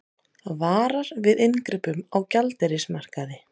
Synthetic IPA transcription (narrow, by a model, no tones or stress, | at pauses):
vaːɾaɾvɪðɪnkɾɪpʏmawcalt̪ɛɾɪsmar̥kaðɪ